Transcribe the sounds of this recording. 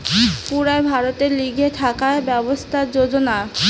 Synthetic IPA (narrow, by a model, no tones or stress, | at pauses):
puɾaebʱaɾot̪eɾliɡʱet̪ʰakaebɛbost̪ʰad͡ʑod͡ʑona